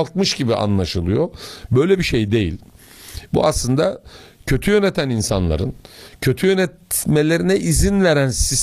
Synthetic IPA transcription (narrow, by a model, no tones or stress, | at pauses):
lˠk̪̚mɯʃɟibiʔa̰nlˠaʃɯlˠɯjobø̞jlʲɛbiʃejd̪e̞jḭlʲ | bṵaslˠɯnd̪acʰø̞t̪ʰyjø̞net̪ʰæninsanlˠa̰ɾɯncʰø̞t̪ʰyjønɛt̪me̞lʲe̞ɾinɛʔizinlʲeɾænsis